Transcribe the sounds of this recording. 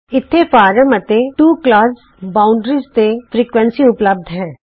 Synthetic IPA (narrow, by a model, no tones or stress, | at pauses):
ɪt̪ʰːefaːɾəmət̪ẽʈuːklaːs | baːʊ̃ɳɖɾizt̪efɾiːkʋə̃nsiʊpləb̚d̪ʱɦɛ̃ː